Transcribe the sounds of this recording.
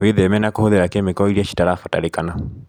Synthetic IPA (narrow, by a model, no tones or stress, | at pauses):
weðemɛnakohoðeɾakemekɔiɾiaʃi̥taɾafɔtaɾekana